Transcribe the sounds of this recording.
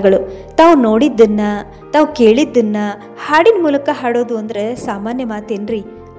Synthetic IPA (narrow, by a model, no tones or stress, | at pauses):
ɡɐɭut̪aːʋuno̞ːɽid̪ːɐnːɐ | t̪aːʋuke̞ːɭid̪ːɐnːɐ | haːɽinmuːlɐkɐɦaːɽoːd̪uɐnd̪ɐɾe̞saːmaːnjɐmaːt̪enɾi